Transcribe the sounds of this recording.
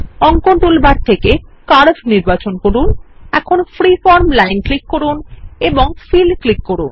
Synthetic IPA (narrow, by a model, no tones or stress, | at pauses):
ɔŋkonʈulbaɾt̪ʰekekaɾbʱniɾbat͡ɕonkoɾunɛkʰonfɾifɔɾmlajnklikːoɾuneboŋfilklikːoɾun